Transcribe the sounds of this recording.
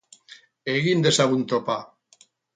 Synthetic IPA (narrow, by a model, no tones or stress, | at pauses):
eɣind̪esaβunt̪opa